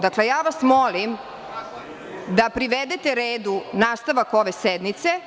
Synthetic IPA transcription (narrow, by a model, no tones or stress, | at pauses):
d̪akle̞jaːʋasmolim | d̪apɾiʋed̪et̪eɾeːd̪unaːst̪aʋako̞ʋe̞sed̪nit̪se̞